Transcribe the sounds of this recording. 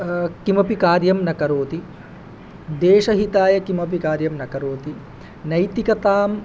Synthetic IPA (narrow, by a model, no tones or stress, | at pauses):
kimɐpikaːɾjɐmnɐkɐɾoːt̪i | d̪eːʃɐɦit̪aːjɐkimɐp̬ikaːɾjɐmnɐkɐɾoːt̪i | nɐjt̪ikɐt̪aːm